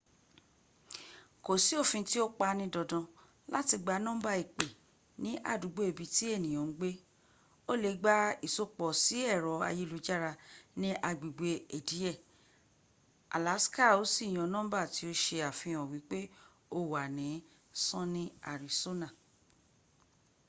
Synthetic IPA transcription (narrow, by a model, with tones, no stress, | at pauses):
ko˨si˨˦o˦˨fĩ˧ti˦o˦k͡pa˧nĩ˧dɔ˨dɔ̃˨˧ | la˦ti˧ɡ͡ba˧nɔ̃ː˦ba˦˧i˨k͡pe˨ | nĩ˨˦ʔa̰˦˨du˨ɡ͡bo˨e˨bi˨˧ti˦e˦˨nĩ˨j̃ɔ̃˨˦ɡ͡be˦ | o˦˨le˧˦ɡ͡ba˦i˦˨so˧k͡pɔ˨si˨˦ɛ˦˨ɾɔ˨˦a̰˧je˦lu˨˧d͡ʒa˦˨ɾa˧nĩ˦ʔa˧ɡ͡bi˨ɡ͡be˧e˨di˨˦ɛ˦˨ | a̰˨la˨˦ska˦˨o˨˦si˦˨j̃ɔ̃˧˦nɔ̃˦ba˦˨ti˨˦o˦ʃe˧a˨fĩ˧ɔ̃˨wi˨˦k͡pe˦ | o˦wa˨nĩ˨˦ | sɔ̃˦nĩ˦a̰˨ɾi˨so˦nã˦˨